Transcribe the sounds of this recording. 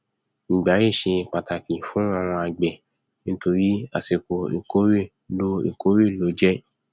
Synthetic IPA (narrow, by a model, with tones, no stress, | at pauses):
ŋ̩˨ɡ͡ba˨˦ɾi˦˨ʃĩ˧i˨k͡pa˨ta˨kĩ˨fũ˨˦a˦˧˨w̃ɔ̃˧a˨ɡ͡bɛ˨ | nĩ˦to˧ɾi˦a̰˨se˨ko˨ḭ˨ko˦ɾe˦˨ | lo˦ḭ˨ko˦ɾe˦˨lo˨˦d͡ʒɛ˦